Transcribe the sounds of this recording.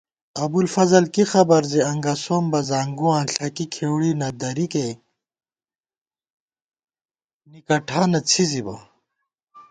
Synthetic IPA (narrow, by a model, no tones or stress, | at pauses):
ɐbulfɐzɐlkixɐbɐɾzeɐŋɡasoːmbɐzaːŋɡuãːnɬʰɐkikʰeːwɽinɐd̪ɐɾike | nikɐʈʰaːnɐt͡sʰizibɐ̰